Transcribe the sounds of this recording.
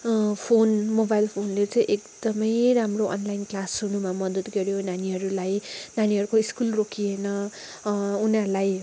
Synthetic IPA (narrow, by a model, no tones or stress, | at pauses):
pʰonmobajlpʰonlet͡sʌ̃ĩʔekd̪ʌmʌjɾamroʔʌ̰nlajnklasunumamʌd̪ʌd̪ɡʌɾjonaniɦʌɾulajnaniɦʌɾukoiskulrokʰienʌ | unalaj